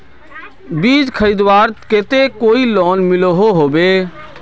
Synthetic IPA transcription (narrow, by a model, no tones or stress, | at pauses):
biːd͡ʒkʰəɾiːd̪waːɾket̪ekoːilɔːnmɪloɦoɦoːbeː